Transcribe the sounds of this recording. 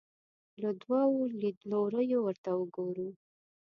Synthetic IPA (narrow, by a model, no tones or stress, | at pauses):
ləd̪wɑwolid̪loɾəjowəɾt̪awəɡoɾu